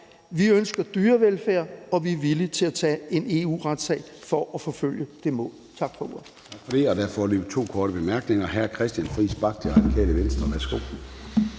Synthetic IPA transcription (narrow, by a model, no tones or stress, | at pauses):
ʋiønsɡ̥ɐd̥yːɐʋelfæɐ̰ɒ̽ʋiæʋilit͡sʰe̝læt͡sʰɛ̰ːe̝ne̝ṵːʁad̥sɛ̰ːɪfɒ̽ʔæfɒ̽føl̰jəd̥e̝mɔ̰̽ːlt͡sʰɑ̈ɡ̥fɒ̽oɐ | t͡sʰɑɡ̥fɒd̥e̝ɒ̽d̥æɐfɒlybt͡sʰo̝̰ːkʰɒːɾ̥əb̥emæɐ̰ɡ̥neŋɐɦæɐkʰʁɛsd̥jænfʁḭːsb̥ɑ̈ɡ̥̚d̥eʁɑ̈d̥ikʰɛ̰ːləʋensd̥ʁɐʋæɐsɡ̥o̝̰